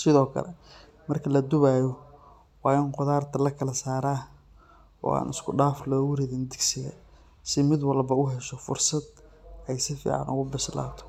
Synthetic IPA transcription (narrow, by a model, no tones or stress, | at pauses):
sɪðɔːkʰɐ̰lɛ | mɐrkʰɐlɐd̪ʊβaːjɔ | wɑːɪnqɔðaːrt̪ʰɐlɐkʰɐlɐsaːɾaː | ɔ̰ːa̰ːnɪskʰʊɖaːflɔːwʊɾɪðɪnd̪ɪɡsɪɣɐ̰ | sɪmɪd̪wɑlbɐʊɦɛʃɔfʊ̰rsɐd̪̚ɛjsɪfḭːʕɑ̰nʔʊ̰ɣʊbɪsla̰ːt̪ʰɔ̥